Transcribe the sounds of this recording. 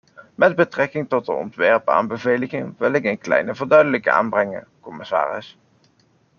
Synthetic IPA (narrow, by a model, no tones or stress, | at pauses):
mɛd̚bətrɛkɪŋtɔt̚dəɔ̰ntʋɛɹpa̰ːnbəvejləχɪŋʋɪlɪkənklɛ̰jnəvəɹdœɥdələkəa̰ːnbrɛŋə̰kɔmɪsa̰ːrɪ̰s